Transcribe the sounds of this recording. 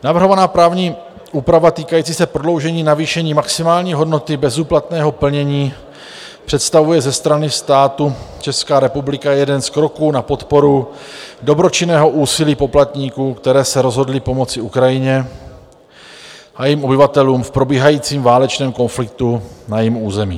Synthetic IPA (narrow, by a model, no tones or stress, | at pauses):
navr̩ɦo̞vanaːpɾaːvɲiː | ʔuːpɾavat̪iːkajiːt͡siːsɛpɾodlo̞wʒɛɲiːnaviːʃɛɲiːmaksɪmaːlɲiːɦo̞dno̞t̪ɪbɛzuːplat̪nɛːɦo̞pl̩ɲɛɲiː | pr̥ɛt̪st̪avujɛzɛst̪ɾanɪst̪aːt̪ut͡ʃɛskaːɾɛpublɪkajɛdɛnskɾo̞kuːnapo̞t̪po̞ɾu | do̞bɾo̞t͡ʃɪnɛːɦo̞ʔuːsɪliːpo̞plat̪ɲiːkuːkt̪ɛɾɛːsɛɾozɦo̞dlɪpo̞mo̞t͡sɪukɾajɪɲɛ | ʔajimʔo̞bɪvat̪ɛluːmfpɾo̞biːɦajiːt͡siːmvaːlɛt͡ʃnɛːmko̞nflɪk̚t̪unajimuːzɛmḭː